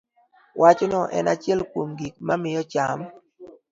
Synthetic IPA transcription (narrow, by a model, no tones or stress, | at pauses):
wʔat͡ʃonɔʔɛ̰nat͡ʃɛlkwomɡik̚mamɪjɔt͡ʃam